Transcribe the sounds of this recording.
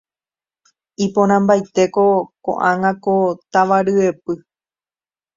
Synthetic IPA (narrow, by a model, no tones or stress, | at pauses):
ipõɾ̃ãmbajt̪e̞ko̞kõ̰ʔãŋãkot̪aʋaɾɨepɨ